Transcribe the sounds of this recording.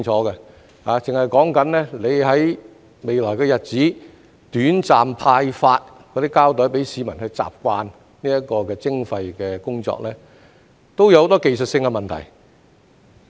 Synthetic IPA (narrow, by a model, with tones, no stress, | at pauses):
t͡ʃʰɔː˨˥kɛ˧ | haː˨˧t͡sɪ˨ŋhɐ˨jkɔː˨˥ŋkɐ˨˥nlɛː˥le˨˧jɦɐ˨˥j | me˨jlɔː˨˩jkɛː˧jɐ˨t̚t͡siː˨˥ | t̪yː˨˥nt͡saː˨mpʰaː˧jfaː˧t̚kʰɔː˨˧d̪iː˥kaː˥wt̪ɔ˨˥jpe˨˥jsiː˨˧mɐ˨˩nhɵ˧ɥt͡sa̰ː˨p̚kʷaː˧n | niː˥jɐ˥kɔː˧kɛː˧t͡sɪ˥ŋfɐ˧jkɛː˧kʊ˥ŋt͡sɔ̰ː˧k̚lɛː˥ | t̪o˥wjwho˨˥t̪ɔ˥ke˨jsɵ˨t̚sɪ˧ŋkɛ˧mɐ˨nt̪ʰɐ̰˨˩j